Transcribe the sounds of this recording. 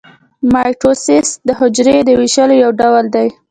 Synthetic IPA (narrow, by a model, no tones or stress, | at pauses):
mɑjʈɾosɪsd̪əɦʊd͡ʒɾed̪əwiʃəlojawɖawld̪aj